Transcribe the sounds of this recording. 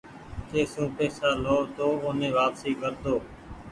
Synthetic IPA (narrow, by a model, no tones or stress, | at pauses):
t̪eːsũːpeːsaːloːʋt̪oːoːnẽːʋaːpsiːkəɾd̪oː